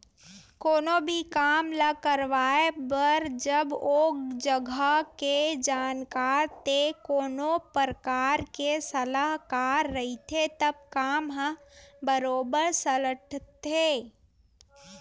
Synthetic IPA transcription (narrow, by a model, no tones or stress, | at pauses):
koːnobʱikaːmləkəɾʋaːebəɾd͡ʒəboːkd͡ʒəɡʱaəked͡ʒaːnkaːɾt̪ekoːnopəɾkaːɾkesəlaɦkaːɾːəɦit̪ʰet̪əb̚kaːmɦə̃bəɾoːbəɾsələʈʰt̪e